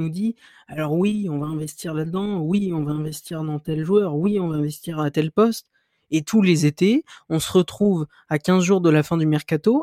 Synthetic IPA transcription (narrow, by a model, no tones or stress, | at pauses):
nud̪i | alɔʁwiɔ̃vaɛ̃vɛst̪iʁlad̪d̪ɑ̃wiɔ̃vaɛ̃vɛst̪iʁd̪ɑ̃t̪ɛlʒwœʁwiɔ̃vaɛ̃vɛst̪iʁat̪ɛlpɔst̪ | et̪ʰulezet̪eɔ̃səʁət̪χuv | akʲɛ̃zʒuʁd̪əlafɛ̃d̪ymɛʁkat̪o